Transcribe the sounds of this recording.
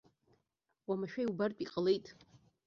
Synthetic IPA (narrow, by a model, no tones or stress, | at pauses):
wamaʃᶣajubarpʼiqʼəle̞jtʼ